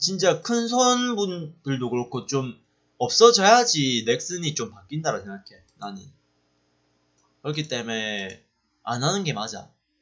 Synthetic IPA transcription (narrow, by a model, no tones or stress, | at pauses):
t͡ɕint͡ɕ͈akʰɯns̬ʰonbund̥ɯɭdokɯɾʌkʰot͡ɕom | ʌp̚s͈ʌd͡ʑʌjad͡ʑine̞k̚s͈ɯɲit͡ɕompak͈indaɾasʰeŋɡakʰe | naɲi | kɯɾʌk̬ʰit͈e̞me̞ | a̰nɦanɯnɡe̞mad͡ʑa̰